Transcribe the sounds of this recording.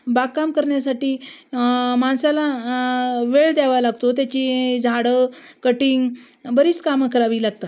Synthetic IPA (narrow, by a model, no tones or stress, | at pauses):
baɡkːamkəɾɳjasaʈiː | mansala | ʋeɭd̪ɛʋalaɡt̪ot̪̬jat͡ɕid͡zʱaɽəkəʈiŋɡ | bəɾiːt͡skamkəɾaʋiːlaɡ̚t̪a